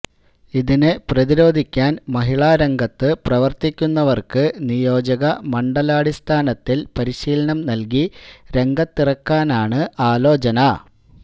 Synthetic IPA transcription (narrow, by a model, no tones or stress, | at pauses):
iðinɨprɐðiɾo̞ːd̪ʱikʲːaːnmɐɦiɭaːɾeŋɡɐt̪ːɨprɐʋɐrt̪ikʲːunːɐʋɐrkɨnijo̞ːd͡ʑɐɣɐmɐɳɖɐlaːɽist̪ʰaːnɐt̪ːilpɐɾiɕiːlɐɳɐmnɐlk̬iɾe̞ŋɡɐt̪ːirɐkːaːnaːɳɨʔaːlo̞ːt͡ɕɐnɐ